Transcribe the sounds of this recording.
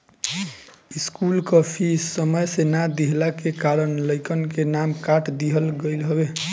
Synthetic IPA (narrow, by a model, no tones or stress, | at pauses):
iskulkəpʰisəməjsenad̪iɦlakekaɾənləɪkənkenamkaʈʰd̪iɦəlɡəɪlɦəbe